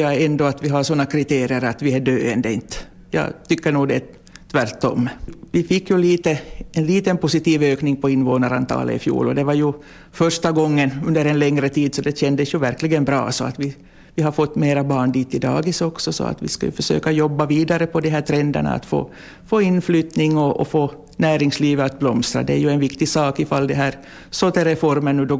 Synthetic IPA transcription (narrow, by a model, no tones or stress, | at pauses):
jɑɛnd̪ɔat̪ʋɪɦasɔnːakʰɾɪt̪eːɾɪəɾat̪ʋɪæɖøːɛnd̪əɪnt̪ | jɑ̰ːt̪ʏkːəɳuːɡd̪ɛ | t̪ʰvæɾʈ̪ːɔ̰mːʋɪfɪkːjɵliːt̪əɛnliːt̪ənpʊsɪt̪iːvøːknɪŋpʰɔɪnːvoːnaɾant̪ʰɑ̰ːlə̰ɪ̰fjṵːlɔd̪ɛvɑɾjʉ | fœʂʈaɡɔŋːənɵnd̪əɾɛnlɛŋɾət̪ʰiːd̪sɔd̪ɛɕɛnd̪əsjɵvæɾklɪɡənbɾɑ̰ːsɔa̰t̪ʋɪ | vɪɦaɾfɔt̪ːmeːɾabɑːɳd̪iːt̪ɪd̪ɑ̰ːɡɪsɔksɔsɔ̰a̰t̪ʋɪ̰ska̰jɵ̰fœʂø̰ːkajɔbːaviːd̪aɾəpʰɔd̪ɛɦæːʈ̪ʰɾɛnd̪æ̰ɳa̰a̰t̪fo̰ː | foːɪnflyːt̪nɪŋːɔʔːfoː | næːɾɪŋsliːvəat̪̚blɔmst̪ɾa̰d̪ɛæjɵɛnvɪkt̪ɪsɑːkɪfalːd̪ɛɦæːɾ | sot̪ɛɾɛfɔɾmənːʉ̟ːd̪ɔ